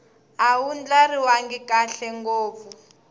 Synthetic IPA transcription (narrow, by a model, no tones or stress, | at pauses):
awund͡ɮariwaŋɡikaɬɛŋɡoːp̪fu